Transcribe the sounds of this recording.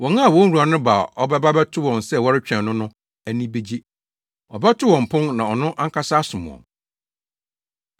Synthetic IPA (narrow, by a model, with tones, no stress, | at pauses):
wɔ̃˨ŋa˦a˨wɔ̃˦n˦ɾu˨a˨nʊ̃˦ba˨ɔ˦bɛ˦ba˦bɛ˦tʰʊ˦wɔ̃˨nsɛ˦˨wɔ˦ɾɪ˦t͡ɕᶣɛ̃˨nʊ̃˦nʊ̃˦ | æ˨nĩ˦be˦d͡ʑi˦ | ɔ˨bɛ˦tʰʊ˦wɔ̃˨m̩˨pʰʊ̃˦ŋnã˨ɔ˨nʊ̃˦ʔa˦ŋ̩˦kʰa˦sa˦sʊ̃˨m̃˨ɔ̰̃˨m